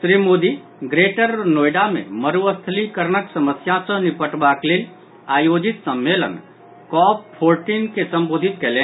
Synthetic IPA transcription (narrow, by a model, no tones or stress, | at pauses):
sɾimod̪i | ɡɾeʈəɾnoːjɖamḛ̃məɾuəst̪ʰlikəɾnəksəməsjãsə̃nipəʈbaklel | aːjoːd͡ʒɪt̪səmːelə̰n | kɔːppʰːoːɾʈinkesə̃mboːd̪ʱit̪kelẽ